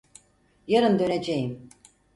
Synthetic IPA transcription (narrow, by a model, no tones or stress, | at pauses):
jaɾɯnd̪ø̞ned͡ʒejim